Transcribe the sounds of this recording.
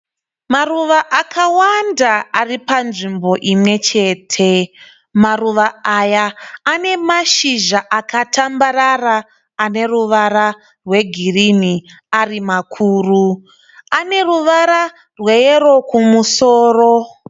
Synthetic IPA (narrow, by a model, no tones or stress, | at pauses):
maruʋaʔakʰawandaaripanʐimbo̞ʔimwe̞t͡ʃe̞ːtʰe̞ | maruʋaajaːne̞maʃiʒaʔakatambararaː | ne̞ruʋara | rwe̞ɡʱirini | arimakʰuːru | ane̞ruʋaɾa | rwe̞jero̞kumusoːro̞